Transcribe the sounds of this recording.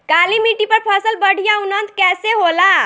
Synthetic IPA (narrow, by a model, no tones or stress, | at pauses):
kalimiʈipəɾpʰasəlbəɽ̤ʱijaunənt̪kɛseɦola